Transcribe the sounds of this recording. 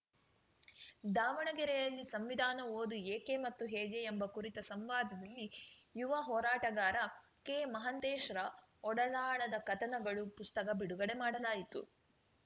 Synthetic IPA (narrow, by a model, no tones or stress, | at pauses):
d̪aːʋɐɳɐɡɛɾɛjɐlːisɐmʋid̪ʱaːnɐoːd̪ueːkemɐt̪ːuɦeːd͡ʒeembɐkuɾit̪ɐsɐmʋaːd̪ʱɐd̪ɐlːijuʋɐɦɔːɾaːʈɐɡaːɾɐ | keːmɐɦɐnt̪eːʃɾɐ | ɔɽɐlaːɭɐd̪ɐkɐt̪ɐnɐɡɐɭupust̪ɐkɐbiɽuɡɐɽe̞maːɽɐlaːjit̪ṵ